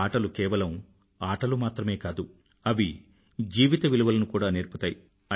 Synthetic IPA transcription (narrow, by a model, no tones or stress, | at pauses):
aːʈɐlukɛːʋɐlɐm | aːʈɐlumaːt̪ɾɐme̞ːkaːd̪u | ɐʋi | d͡ʒiːʋit̪ɐʋiluʋɐlɐnukuːɽaːneːɾput̪aːji | ɐ